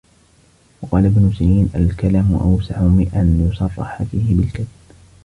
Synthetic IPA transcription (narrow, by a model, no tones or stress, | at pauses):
wɑqɑːlabnʊsajiːnʔalkalaːmʊʔa̰wsaʕʊmɪʔanjʊsˤɑrˤːɑ̰ħafiːhɪbɪlkad̪